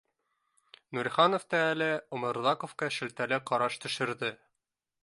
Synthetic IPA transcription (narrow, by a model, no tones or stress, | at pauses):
nuɾʲχɑnŏft̪ɑælɘŏmɤ̆ɾðɑkŏfkɑʃɘ̆lt̪ælæqɒɾɑʃt̪ɵ̆ʃɘ̆ɾdɘ